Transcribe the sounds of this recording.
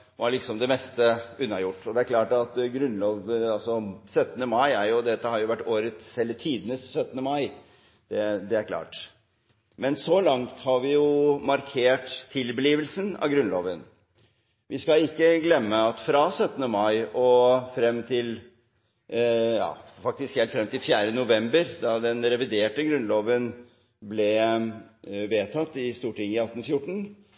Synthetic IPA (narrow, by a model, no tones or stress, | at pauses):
ʋɑɾɭɪksɔmd̪ɛmɛst̪əʉnːɑjʊʈːɔd̪ɛæɾkʰlɑːʈɑt̪ɡɾʉnloːʋɑlsɔsœt̪ːənəmɑɪæɾjʊd̪ɛt̪ːəhɑɾjʊʋæʈːoːɾət̪sɛlːət̪ʰiːd̪ənəsːœt̪ːənəmɑɪ | d̪̥ɛd̪ɛæɾkʰlɑ̰ːʈ | mɛnsɔlɑŋt̪hɑɾʋɪjʊmɑɾkʰeːʈt̪ʰːɪlbəliːʋəlsənɑ̰ʋɡɾʉnloːʋən | ʋʔɪskɑɪkːəɡlɛmːəɑt̪fɾɑsœt̪ːənəmɑɪɔfɾɛmːt̪ʰɪl | jɑ̰ːfɑk̚t̪ɪskhɛlt̪fɾɛmt̪ɪlfjæːɾənʊʋɛmbəɾd̪ɑd̪ɛnɾɛʋɪd̪eːʈəɡɾʉnloːʋən | blɛ | ʋeːt̪ʰɑt̪ːɪst̪uːʈɪŋːɪɑt̪ːnfjʊʈːɳ̩